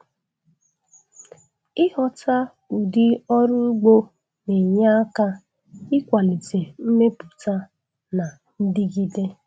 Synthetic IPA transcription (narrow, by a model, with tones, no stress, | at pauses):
ɪ˦hɔ˨ta˦ | u˨dɪ˦ɔ˦ɾʊ˦ɡ͡bo˦ | ne˨ɲa˦a˦ka˦ | ɪ˦kʷa˨li˨te˨m̩˦me˦pʊ˨ta˦ | na˨ | n̩˦dɪ˦ɡi˦de˦